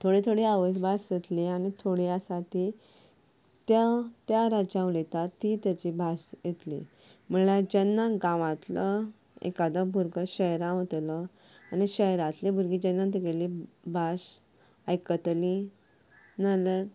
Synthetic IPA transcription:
t̪ʰoɽet̪ʰoɽiaʋəs̬bʱasjet̪liañit̪ʰoɽjasaʈ̪i | t̪jat̪jaɾad͡ʑãʋlet̪at̪ːit̪jat͡ɕibʱasjet̪lḭ̃ | m̤əlad͡ʑɛnːaɡãʋãt̪lə | ḛkad̪abʱuɾɡəɕəɦɾãʋot̪lə | aniɕəjɾãt̪lebʱuɾɡid͡ʑenːãt̪̬iɡelibʱas | ajkət̪li | nalə

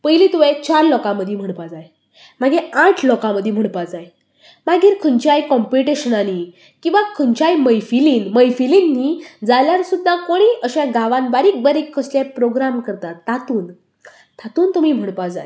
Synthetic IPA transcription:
pəɦilit̪uʋet͡ɕaɾlɔkãməd̪ʱim̤əɳ̃pad͡zaj | maɡeãʈʰlɔkãməd̪ʱːjem̤əɳpad͡zaj | maɡiːɾkʰəɲt͡ɕajkɔmpiʈeɕənani | kĩw̃ʋakʰəɲt͡ɕajməjfiliːnməjfilinːiːd͡zaljaɾsud̪ʱːakoɽ̃iːʔəɕãɡaʋanbaɾiːk̚baɾikʰːəsljapɾoɡɾamkəɾt̪at̪ːat̪uːn | t̪ʰat̪uːnt̪umiːm̤əɽpad͡za̰j

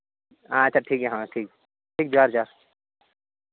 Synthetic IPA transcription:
aːɐtːt͡ʃʰaʈʰiːkɦɛɦãːʈʰiːk | ʈʰiːk̚d͡ʒaːɾd͡ʒaːɾ

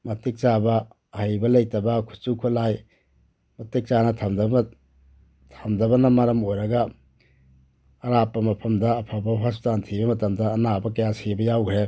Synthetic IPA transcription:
mɐtik̚t͡ʃabɐ | ɐhɐjbɐlɐjtɐbɐkʰu̥t͡ʃukʰulaj | mɐtik̚t͡ʃanɐtʰɐmdɐ | tʰɐmdɐbɐnɐmɐɾɐmojɾɐɡɐ | ɾapːɐmɐpʰɐmdɐːpʰabɐɦastantʰibɐmɐtɐmdɐːnabɐkɐjasebɐjawkʰɾe

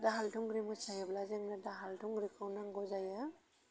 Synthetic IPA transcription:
daɦaltʰuŋɡɾimɔt͡ʃajablazeŋnadaɦaltʰuŋɡɾikʰawnaŋɡɔzaja

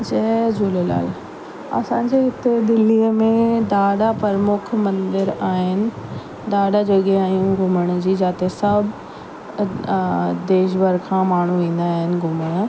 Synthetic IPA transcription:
d͡ʑɐd͡ʑuːlela̰ːl | ɐ̰sãɲd͡ʑeɦɪt̪ed̪ɪlːiːəmẽd̪aːɗapɐɾəmʊkʰmɐ̃nd̪ɪɾaːɦɪnɪ̆ | d̪aːɽad͡ʑɐɠeaːjũɡʱʊməɽ̃d͡ʑiːd͡ʑaːt̪esɐbʱ | d̪eːʃ̬bəɾkʰãːmaːɳ̤uʋĩːnd̪aːɦɪnɪ̆ɡʱʊməɽ̃

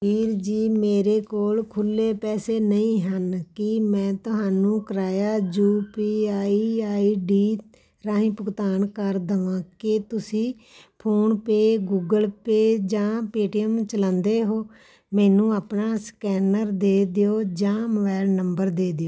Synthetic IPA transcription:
iːɾd͡ʒiːmeːɾeːkoːlkʰʊlːeːpɛːseːnəĩːɦənkɪmɛ̃ːt̪ʊɦaːnũːkəɾaːjaːd͡ʒuːpiːaːiaːiːɖiː | ɾãːɦĩːpʊkt̪aːnkəɾd̪əʋãːkɪt̪ʊsĩː | pʰoːnpeːɡuːɡəlpeːd͡ʒãːpeːʈiːəmt͡ʃəlãːnd̪eːɦoː | mɛːnũːaːpnaːskɛːnəɾd̪eːd̪ejoːd͡ʒãːməbɛːlnəmbəɾd̪eːd̪ɪjoː

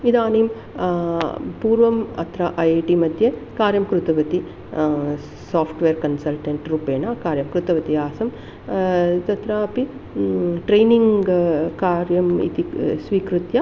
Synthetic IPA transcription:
id̪aːneːm | puːɾʋɐmɐ̰t̪ɾɐʔɐjʈimɐd̪ʱjekaːɾjɐmkɾut̪ɐʋɐt̪i | saːpʰʈʋeːɾkɐnsɐlʈɐɳʈɾupeːɳakaːɾjɐmkɾut̪ɐʋɐt̪iaːsɐm | t̪ɐt̪ɾɐɐpi | ʈɾejniŋɡɡkaːɾjɐmḭt̪isʋiːkɾut̪jɐ

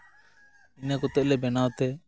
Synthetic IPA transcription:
inakɔt̪ɛʔ̚lɛbɛnawt̪ɛ

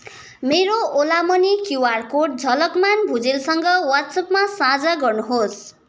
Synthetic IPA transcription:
meɾoolamʌnikuwarkoʈ̚d͡zʱʌlʌkmanbʱud͡zilsʌŋɡʌwat̪sʌpmasãd͡zaɡʌrnuɦos

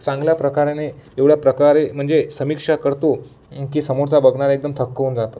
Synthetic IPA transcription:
t͡sãŋɡljapɾəkaɾjaneeʋɽjapɾəkaɾem̤əɳd͡zesəmikʂakəɾt̪o | kiːsəmoɾt͡sabəɡɳaɾaek̚d̪əmt̪ʰəkːəuːnd͡zat̪o

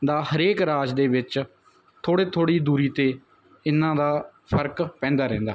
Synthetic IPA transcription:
d̪aːhəɾeːkɾaːd͡ʒd̪eːʋɪt͡ʃ | t̪ʰoːɽeːt̪ʰoːɽiːd̪uːɾiːt̪eː | ɪnːãːd̪aːpʰəɾkpɛ̃ːnd̪aːɾɛ̃ːnd̪aː

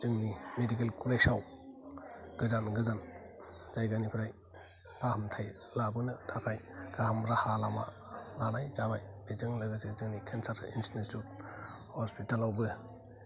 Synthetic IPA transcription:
zɯŋnimedikelkʰunajsaw | ɡ̥ɯzanɡɯzan | zajɡanipʰiɾaj | pʰahɯmtʰaj | labɯnɯtʰakʰajɡ̥ahamɾahalama̰ | lanajzabajbezɯŋlaɡɯsɯzɯŋnikʰensaɾḭnsnesut | hɔspitalawbɯ

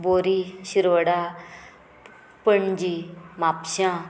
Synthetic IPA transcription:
boːɾiʃiɾəɽa | pəɳd͡ʒimaːpʃãː

